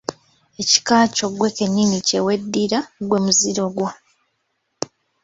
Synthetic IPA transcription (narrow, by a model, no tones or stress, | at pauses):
e̞ci̥kaːco̞ɡwe̞ke̞ɲːinicewe̞dːiɾaɡwe̞muziɾo̞ɡwa